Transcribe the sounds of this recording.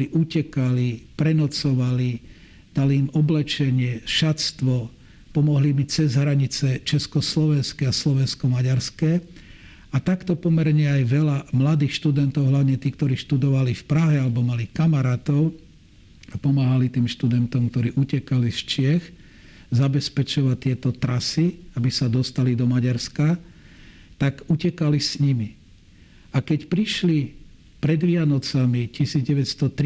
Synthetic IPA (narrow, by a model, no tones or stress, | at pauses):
ɾiːʔucɛkalipɾɛnɔt͡sɔʋali | d̪̥aliːmɔblɛt͡ʃɛɲɪɛʃat̪st̪ʋɔ | pɔmɔɦlimit͡sɛzɦɾaɲit͡sɛt͡ʃɛskɔslɔʋɛnskɛaslɔʋɛnskɔmaɟaɾskɛː | at̪akt̪ɔpɔmɛɾɲɛajʋɛlamlad̪iːxʃt̪ud̪ɛnt̪ɔʊɦlaʊɲɛt̪iːk̚t̪ɔɾiːʃt̪ud̪ɔʋalifpɾaɦɛalɛbɔmalikamaɾaːt̪ɔʊ | apɔmaːɦalit̪iːmʃt̪ud̪ɛnt̪ɔmk̚t̪ɔɾiːʔucɛkalist͡ʃɪɛx | zabɛspɛt͡ʃɔʋac̚t̪ːɪɛt̪ɔt̪ɾasiabisad̪ɔst̪alid̪ɔmaɟaɾska | t̪aɡucɛkalisɲimi | akɛcpɾiʃli | pɾɛd̪ʋɪanɔt͡samicisiːd͡zɟɛʋɛt̪st̪ɔt̪ɾ